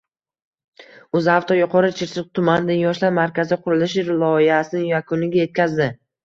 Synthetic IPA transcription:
ɵzaft̪ʰɒjʊqʰɒɾɪt͡ʃʰɪɾsɪq̚t̪ʰʊmand̪ɪnjɒʃlaɾmaɾkʲazɪqʰʊɾɪlɪʃɾlˠɒɪhasɪnɪjakʰʊnɪɡʲaje̞t̪̚kʲʰazd̪ɪ

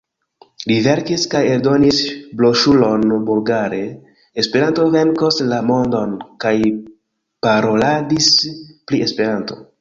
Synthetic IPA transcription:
live̞ɾkiskaje̞ɾdo̞nisblo̞ʃulo̞nbulɡaɾe̞ː | spe̞ɾanto̞ve̞nkoslamo̞ndo̞nkaj | paɾo̞ladisplie̞spe̞ɾanto̞

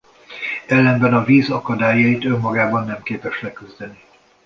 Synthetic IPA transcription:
ɛlːɛnbɛnɒviːzɒkɒd̪aːjɒit̪ø̞mːɒɡaːbɒnːɛmkeːpɛʃlɛkyzd̪ɛni

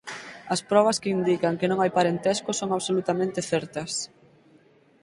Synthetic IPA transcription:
ɐspɾɔβ̞ɐskɪind̪ikɐŋkɪnõŋajpaɾent̪ɛskʊsoŋaβsolut̪amẽnt̪ɪθɛɾt̪ɐs

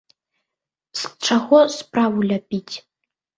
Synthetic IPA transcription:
sʈ͡ʂʰaɣʷɔspʼravulʲapʲʼitʰʲʼ

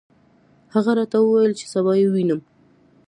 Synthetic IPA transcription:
haɣaɾɑt̪awəwajəlt͡ʃe̥sabɑjewinəm

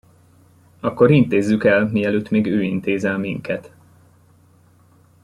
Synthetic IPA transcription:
ɒkːo̞ɾint̪eːzːykɛlmiɛløːt̪ːmeːɡøːint̪eːzɛlmiŋkʰɛt̪

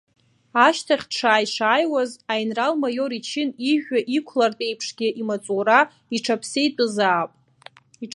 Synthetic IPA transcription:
aʃtʰaχʲʈ͡ʂʰaːjʂaːjwazajnralmajo̞ɾit͡ʃʰɪniʒᶣaʔikʷʰlartʼe̞jpʰʂɡʲɪʔimat͡sʼura | iʈ͡ʂʰapʰsejtʼɨzaːpʼ | i

